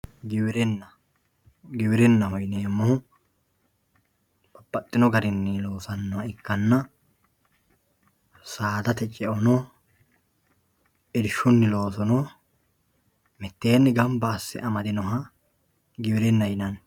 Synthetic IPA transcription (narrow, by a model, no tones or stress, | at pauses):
ɡɪwɪɾɛnːɐ | ɡɪwɪɾɛnːɐhɔjneːmːɔhʊ | b̥ɐbːɐt̪ʼːɪnɔɡɐɾɪnːɪlo̞ːsɐnːɔwɐɪkːɐnːɐ | saːd̪ɐt̪ɛt͡ʃʼɛʔɔnɔ | ɛd̪ɪʃːʊnːɪlo̞ːsɔnɔ | mɛt̪ːeːnːɪɡɐmbɐːsːɛ̰ʔɐmɐd̪ɪnɔɦɐ | ɡɪwɪɾɛnːɐjɪnɐn